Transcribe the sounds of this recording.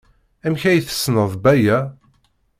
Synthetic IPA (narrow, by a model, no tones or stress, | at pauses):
æmçæjθə̥sːnəðˤbæjæ